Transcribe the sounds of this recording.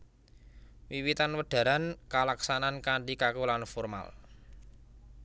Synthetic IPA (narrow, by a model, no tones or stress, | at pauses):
wiwit̪anwəɖ̥a̤ɾankalaksanankaɳɖikakulanfɔrma̰l